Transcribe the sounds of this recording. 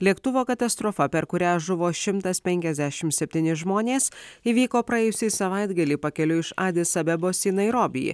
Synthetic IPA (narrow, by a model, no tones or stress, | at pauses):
lʲiɛkt̪ʊʋoːkɐt̪ɐst̪ɾɔfɐpʲɛɾkʊɾʲæːʒʊʋoːʃʲɪmt̪ɐspʲɛŋʲkʲɛzʲd̪ʲæʃʲɪmt̪sʲɛpʲt̪ʲiːnʲɪʒmoːnʲeːsiːʋʲiːkoːpɾɐɛːjʊsʲiːsɐʋɐɪd̪ɡɐlʲiːpɐkʲɛlʲʊɪʃɑːd̪ʲɪsɐbʲɛboːsiːnɐɪɾoːbʲɪ̰jḭ